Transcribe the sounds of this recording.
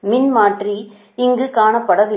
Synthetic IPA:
mɪnmaːʈri | ɪŋɡɯkaːnɐpːɐɽɐʋɪ

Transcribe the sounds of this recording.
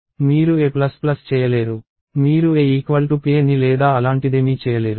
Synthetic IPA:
miːɾueːplɐsplɐst͡ʃɛːjɐleːɾu | miːɾueːiːkʋɐlʈupeːnːilɛːd̪aːɐlaːɳʈid̪eːmiːt͡ʃɛːjɐleːɾu

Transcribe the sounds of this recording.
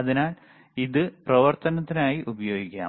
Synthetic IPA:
ɐðinaːl | iðɨprɐʋɐrt̪ɐnɐt̪ːinaːjiʔubɐjo̞ːɡikʲːa̰ːm

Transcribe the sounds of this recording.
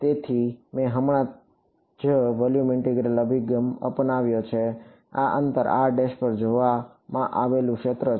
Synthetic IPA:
t̪et̪ʰimẽɦəmɳ̃ã | d͡ʒəʋɔljumɪɳʈeɡɾələbʱiɡəmə̰pnaʋjot͡ʃʰe | a̰ʔə̰nt̪əɾa̰ɖeʃpəɾd͡ʒoʋa | mãʔaʋelũkʃet̪ɾə

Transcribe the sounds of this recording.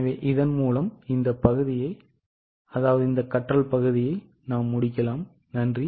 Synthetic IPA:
ʋeːʔɪðɐnmuːlɐmɪnd̪ɐpɐɣɯðɪjɐɪ | ɐðaːʋɐðɯɪnd̪ɐkːɐʈrɐlpɐɣɯðɪjɐɪ | naːmːʊɽɪkːɐlaːm | nɐndri

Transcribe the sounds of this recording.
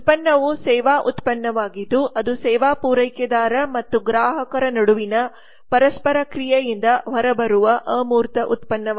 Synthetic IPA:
t̪̚pɐnːɐʋusɛːʋaːʔut̪pɐnːɐʋaːɡid̪ːuʔɐd̪usɛːʋaːpuːɾɐjkjɐd̪aːɾɐmɐt̪ːuɡɾaːɦɐkɐɾɐnɐɽuʋinɐ | pɐɾɐspɐɾɐkɾijɐjind̪ɐʋɐɾɐbɐɾuʋɐʔɐːmuːɾt̪ɐʔut̪pɐnːɐ

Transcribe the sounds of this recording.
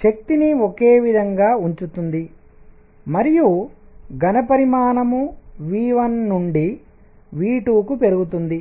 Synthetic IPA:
ʃɐk̚t̪iniokeːʋid̪ʱɐŋɡaːuɲt͡ʃut̪und̪i | mɐɾijuɡɐnɐpɐɾimaːnɐmuʋiːʋɐnːuɳɖi | ʋiːʈuːkupe̞ɾuɡut̪und̪i

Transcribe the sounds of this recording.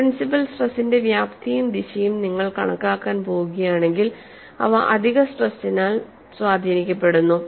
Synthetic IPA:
pɾinsipɐlsʈrɐsinde̞ʋjaːpt̪ʰɐjumd̪iɕɐjumniŋːɐɭkɐɳɐkːaːkːaːnpo̞ːɣuɣɐjaːɳe̞ŋɡil | ɐ̰ʋɐʔɐd̪ʱiɣɐsʈrɐsːinaːl | swaːd̪ʱiːnikʲːɐpːe̞ɽunːu

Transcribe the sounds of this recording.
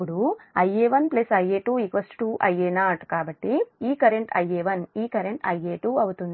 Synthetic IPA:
uɽuɐjːeːʋɐnplesɐjeːʈuːikʋɐsʈʈuːʔɐjeːnaːʈkaːbɐʈːiiːkɐɾeɳʈɐ̰jeːʋɐniːkɐɾeɳʈɐ̰jeːʈuːɐwut̪und̪i

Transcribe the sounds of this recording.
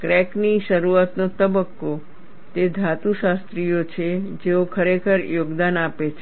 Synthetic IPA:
kɾɛkniʃəɾuat̪not̪əbəkːo | t̪ed̪ʱat̪uʃast̪ɾijot͡ʃʰed͡ʒeokʰəɾekʰəɾjoɡd̪anapet͡ʃʰe

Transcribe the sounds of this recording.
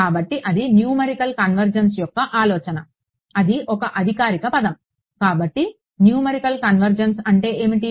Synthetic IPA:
aːbɐʈːiʔɐd̪injuːmɐɾikɐlkɐnʋɐɾd͡ʒɐnsjɔkːɐʔaːlɔːt͡ʃɐnɐ | ɐd̪iʔɔkɐʔɐd̪ʱikaːɾikɐpɐd̪ɐm | kaːbɐʈːi | njuːmɐɾikɐlkɐnʋɐɾd͡ʒɐnsɐɳʈe̞ːeːmiʈi

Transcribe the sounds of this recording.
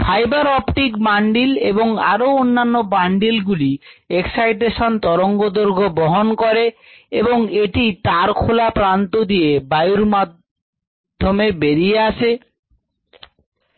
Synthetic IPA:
fʰajbaɾɔpʈikbaɳɖileboŋa̰ɾoonːanːobaɳɖilɡulieksajʈeʃant̪ɔɾoŋɡod̪oɾɡʱobɔɦonkɔɾeeboŋeʈit̪aɾkʰolapɾant̪od̪ijebajuɾmad̪ʱː | omebeɾieaʃʰe

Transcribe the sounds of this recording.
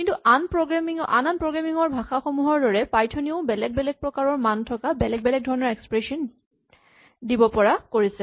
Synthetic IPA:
kintuʔanpɹɔɡɹamiŋɔʔa̰nanpɹɔɡɹamiŋɔɹbʱaxaxɔmuɦɔɹdɔɹɛpajtʰɔniʊbɛlɛɡ̚bɛlɛɡ̚pɹɔkaɹɔɹmantʰɔkabɛlɛɡ̚bɛlɛɡ̚dʱɔɹɔnɔɹɛkspɹɛsɔn | dibɔpɔɹakoɹisɛ

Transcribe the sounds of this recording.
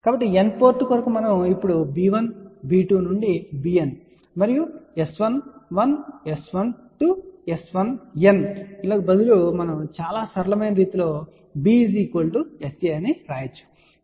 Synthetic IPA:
kaːbɐʈːienpo̞ːɾʈːukɐɾɐkumɐnɐmipːuɽubiːʋɐnbiːʈuːnuɳɖibiːen | mɐɾijuesʋɐnʋɐnesʋɐnʈuesʋɐnenilaːɡɐbɐd̪ulomɐnɐmt͡ʃaːlaːsɐɾɐlɐmɐjnɐɾiːt̪ulo̞ː | biziːkoːlɖueseɐniɾaːjɐt͡ʃːu̥

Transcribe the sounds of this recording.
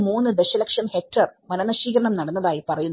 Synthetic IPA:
muːnːɨd̪eɕɐlɐkʂɐnhek̚ʈɐrmɐnɐnɐɕiːkɐɾɐɳɐmnɐɽɐnːɐðaːjipɐrɐjun

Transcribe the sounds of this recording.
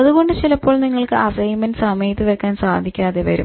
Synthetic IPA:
ɐðuɣo̞ɳɖɨt͡ɕilɐpːoːɭniŋːɐɭkɨʔɐsɐjumɐnsɐmɐjɐt̪ːiʋɐkːaːnsaːd̪ʱikʲːaːðe̞ʋɐ̰ɾṵ

